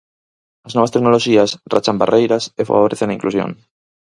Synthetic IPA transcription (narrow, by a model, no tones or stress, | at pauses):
azno̞βast̪eknoloʃiasra̰t͡ʃambarʔejɾasefa̰βo̞ɾeθenaiŋklusjo̰ŋ